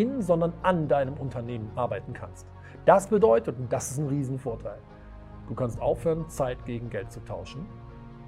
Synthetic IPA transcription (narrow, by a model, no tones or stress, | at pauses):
ɪnzɔndɐnʔandaɪnəmʔʊntʰɐneːmənʔaɐbaɪtn̩kʰa̰nst | d̥asb̥ədɔʏtətʊnt̚d̥asɪstnʁiːzn̩foːɐtʰaɪl | d̥uːkʰanstʔaʊfhøːʁənt͡saɪtɡ̥eːɡŋ̩ɡɛlt̚t͡sutʰaʊʃn̩